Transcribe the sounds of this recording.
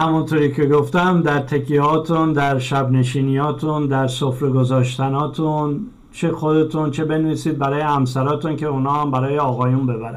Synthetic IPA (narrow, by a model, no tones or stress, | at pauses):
hæmunt̪ʰoːɾiːcʰe̞ɡoft̪æmd̪æɾt̪ʰekʰieɒːt̪ʰund̪æɾʃæbne̞ʃiːnijɒːt̪ʰund̪æɾsofɾeɡo̞zɒːʃt̪ænɒːt̪ʰun | t͡ʃʰexo̞d̪e̞t̪ʰunt͡ʃʰebe̞nevisiːd̪̚bæɾɒːjehæmsæɾɒːt̪uncʰe̞unɒːhæmbæɾɒːjeɒːɣɒːjunbe̞bæɾæ